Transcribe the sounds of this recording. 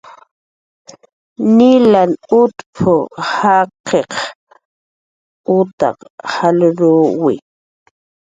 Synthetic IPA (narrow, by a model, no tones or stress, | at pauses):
nɪlanʊt̪pʰʊhaqeχ | ʊt̪ɑ̰qhalʊɾʊwɪ̰